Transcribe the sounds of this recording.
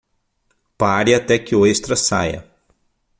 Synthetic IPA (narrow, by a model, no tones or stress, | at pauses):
paɾɪat̪ɛkɪoest̪ɾɐsa̰jɐ̰